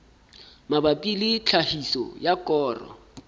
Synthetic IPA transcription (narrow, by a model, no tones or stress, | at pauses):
mabapʼilɪt͡ɬʰahisɔ̰jakʼɔːrɔ̰